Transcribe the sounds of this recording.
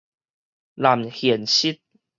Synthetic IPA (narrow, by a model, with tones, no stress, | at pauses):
la˨˩mhi˨˩ənɕi˦˥t̪̚